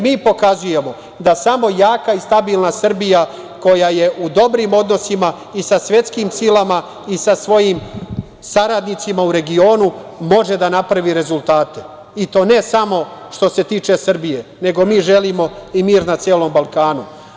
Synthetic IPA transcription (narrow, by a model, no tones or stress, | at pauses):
miːpo̞kazuje̞mo̞ | d̪asamo̞jaːkaist̪abiːlˠnasr̩bija | ko̞jajeʔud̪o̞bɾimo̞d̪no̞sima | isasʋje̞t̪skiːmsilama | isasʋo̞jiːm | saɾad̪nit̪simauɾe̞ɡio̞ːnumo̞ʒe̞d̪anapɾaʋiɾe̞zulˠt̪aːt̪e | it̪o̞ːne̞samo̞ʃt̪o̞se̞t̪iːt͡ʃe̞sr̩bije̞ne̞ɡo̞miːʒe̞limo̞imiːɾnat̪sjeːlo̞mbalˠkaːnu